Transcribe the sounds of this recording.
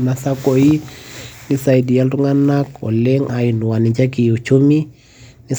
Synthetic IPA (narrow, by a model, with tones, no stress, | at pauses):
na˨sa˦ko˨i˦ni˦sa˨i˨di˨ja˦ltu˦ŋa˦na˦kɔ̰˨lɛ˦ŋa˨i˨nu˨wa˨ni˨d͡ʒa˦ki˨u˨t͡ʃʰu˦mi˦ | ni˦s